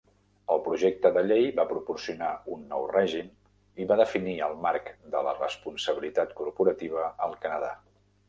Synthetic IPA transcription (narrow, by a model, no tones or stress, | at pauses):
əlˠpɾuʒek̚t̪əðəʎejβapɾupursiunaunːɔwrɛʒim | iβaðəfiniəlˠmaɾkd̪ələrəspunsəβilit̪at̪kuɾpuɾət̪iβ̞əəlˠkənəða